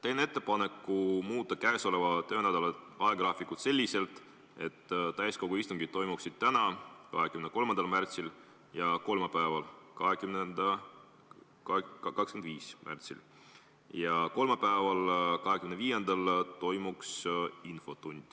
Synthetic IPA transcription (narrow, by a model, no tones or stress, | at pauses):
t̪e̞jnee̞t̪ˑːe̞pɑne̞kːˑumuːt̪ˑːɑkæeso̞le̞vɑt̪øheæd̪ɑleɑeɡ̥rɑːfikut̪se̞lʲːise̞lt̪ˑ | e̞t̪ːt̪æjsko̞ɡ̥uist̪uŋɡ̥id̪̚t̪ːo̞jmuksid̪̥̚t̪ænɑkɑɦekymneko̞lmɑnd̪̥ɑlmært̪sil | jɑko̞lmɑpæevɑlkɑɦekymnend̪̥ɑ | kɑkskemnd̪viːsmæ̰rt̪sḭl | jɑko̞lmɑpæevɑlkɑɦe̞kymneviːje̞nd̪̥ɑlt̪o̞jmuksinfo̞t̪unʲd̪̥